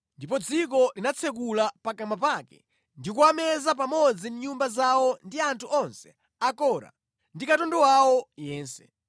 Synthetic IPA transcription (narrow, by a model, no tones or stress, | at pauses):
ndipɔd͡zik̬ɔlinat͡sʰɛk̬ulapakamapakɛ̰ | ndikuamɛzap̬amɔd͡zimɲumbazawɔndiantʰuʔɔnsɛ̥ | akɔɾa̰ | ndikatɔndɔwawɔjɛːnsɛ̥̰